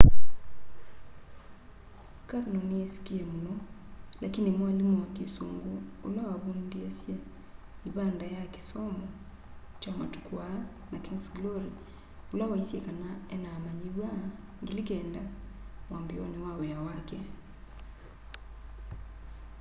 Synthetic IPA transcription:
kaɾnɔniesi̥kiemunɔlakinimwalimowakesoŋɡoolawaβundiesje | iβandajaki̥sɔmɔ | t͡ʃama̰tu̥kwa | nakiŋsɡlɔɾi | olawaisjekanaɛnaːmaɲiwa | ŋɡilikɛndawambiɔnewaweawakɛ

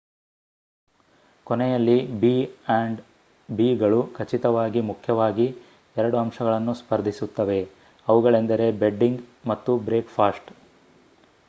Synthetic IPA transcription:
kɔnɛjɐlːibiɐɳɖ | biːɡɐɭukʰɐt͡ʃit̪ɐʋaːɡimukʰjɐʋaːɡi | ɛɾɐɽuɐmʃɐɡɐɭɐnːuspɐɾd̪ʱisut̪ːɐʋe̞ | ɐʋuɡɐɭe̞nd̪ɐɾe̞beɖːiŋɡmɐt̪ːubɾe̞ːkpʰaːsʈ

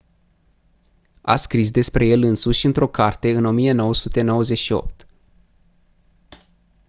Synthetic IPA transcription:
a̰skɾis̬d̪e̞spɾe̞je̞lɨnsuʃʲɨnt̪ɾo̞kart̪e̞ɨno̞mije̞no̞wəsut̪e̞no̞wəze̞ʃio̞̰p̚t̪

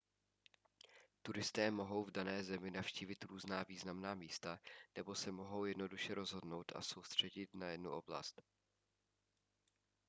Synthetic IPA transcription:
t̪uɾɪst̪ɛːmo̞ɦo̞wvdanɛːzɛmɪnafʃciːvɪt̪ɾuːznaːviːznamnaːmiːst̪anɛbo̞sɛmo̞ɦo̞wjɛdno̞duʃɛɾo̞zɦo̞dno̞wt̪ʔa̰so̞wst̪r̝̥ɛɟɪt̪najɛdnuʔo̞bla̰st̪

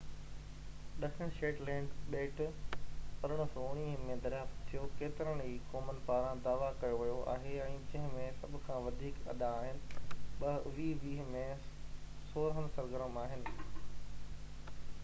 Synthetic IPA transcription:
ɗɐkəɽ̃ʃeːʈlɛ̃ːɳɖɓeːʈ | pɐɾəɽ̃̆sɔːʊɽ̃iːɦmẽd̪ɐɾjaːft̪t̪ʰːijokeːt̪ɪɾəɽ̃ɦiːkoːmənpaːɾãd̪aːʋakɐjoʋɐjoa̰ːɦeɛ̃ːd͡ʑɐ̃ɦɪ̃mẽsɐbʱʊ̆kʰãʋɐd̪ʱiːkɐ̰ɗ̪aːɦɪnɪ̆ɓɐʋiːʋiːɦmẽ | soːɾəɦənsɐɾɡəɾəmaːɦɪnɪ̆

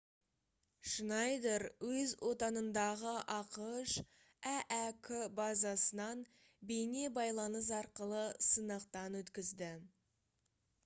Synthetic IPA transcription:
ʃnɑjd̪eɾwɵzwʔo̞t̪ɑnənd̪ɑʁəʔɑqəʃ | æʔækʲʰʏbɑzɑsənɑn | bejne̞bɑjlˠɑnəs̬ɑɾqəlˠəsənəqt̪ɑnwɵt̪kʲɪzd̪ɪ

